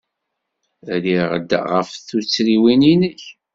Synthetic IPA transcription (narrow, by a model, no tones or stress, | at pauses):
ɾiʁəd̪̰ʁə̰fθut͡sːɾiwininəç